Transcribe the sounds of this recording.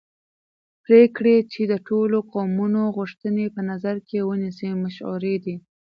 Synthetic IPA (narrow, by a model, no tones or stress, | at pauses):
pɾekɽet͡ʃed̪əʈoloqɑwmunoɣuʂt̪ənepənazaɾkewənisemaʃṵɾed̪i